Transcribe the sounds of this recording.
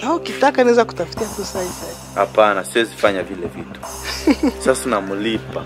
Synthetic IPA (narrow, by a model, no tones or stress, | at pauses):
naɔkitakanaɛzaku̥tafi̥tiatusaisa | hapanasiɔzifaɲavilɛvitu̥ | sasanamulipa